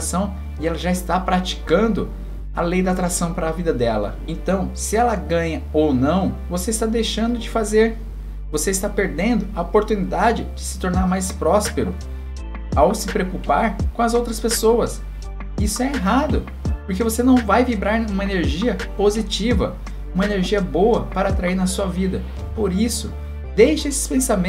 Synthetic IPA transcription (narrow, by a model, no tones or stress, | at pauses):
sɐ̃w̃ | ɪɛlɐʒaɪst̪apɾat͡ʃi̥kɐ̃nd̪ʊ | ɐlejd̪ɐat̪ɾasɐ̃w̃pɾɐːvid̪ɐd̪ɛlɐ̰ẽnt̪ɐ̃w̃sɪɛlɐɡɐ̃ɲɐownɐ̃w̃voseist̪ad̪ejʃɐ̃nd̪ʊd͡ʒɪfazeɾ | voseɪst̪apeɾd̪ẽnd̪ʊɐopoɾt̪unid̪ad͡ʒɪd͡ʒɪsɪ̥t̪oɾnaɾmajspɾɔspeɾʊ | awsɪpɾeokupaɾkõɐzowt̪ɾɐspesowɐs | isʊɛeɦad̪ʊ | poɾkevosenɐ̃w̃vajvibɾaɾũmɐeneɾʒiɐpozit͡ʃivɐ̰ | ũmɐeneɾʒiɐbowɐpaɾɐːt̪ɾaiɾnɐsuɐvid̪ɐ | poɾisʊ | d̪ejʃɐesɪ̥spẽsamẽ